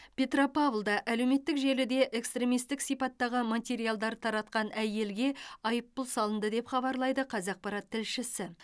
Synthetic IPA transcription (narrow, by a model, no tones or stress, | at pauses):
pʲe̞t̪ropɑvlˠd̪ɑʔæle̞wme̞t̪ːɪkʒe̞lud̪e̞ʔekst̪ɾe̞mijst̪ɪksijpɑt̪ːɑʁəmat̪ʲe̞ɾijalˠd̪ɑɾt̪ʰɑɾɑt̪qɑnæje̞lɡʲe̞ɑjəpːʊlˠsɑlˠənd̪əd̪e̞pχɑbɑɾlˠɑjd̪əqʰɑzɑq̚pɑɾɑt̪ʰːɪlʃɪsɪ